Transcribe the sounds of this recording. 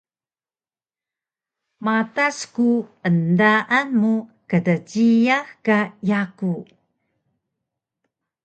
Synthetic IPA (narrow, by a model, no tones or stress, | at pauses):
mataskuəndaʔanmukədəd͡ʒijahkajaku